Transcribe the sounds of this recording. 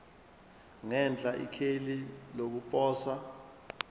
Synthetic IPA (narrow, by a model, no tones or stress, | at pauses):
ŋɛnd͡ɮʼaʔḭkʰelilok̬upʼɔːsa